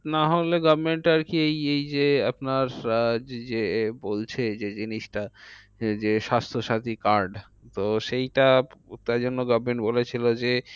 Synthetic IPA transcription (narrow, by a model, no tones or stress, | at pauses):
naɦoleɡɔbmeɳʈaɾkiejejd͡ʑeapnaɾ | d͡ʑebolt͡ɕʰed͡ʑed͡ʑiniʃʈa | d͡ʑeʃast̪ʰoʃat̪ikaɾɖ | t̪oʃejʈat̪aɾd͡ʑonːoɡɔbʱmeɳʈbolet͡ɕʰilod͡ʑe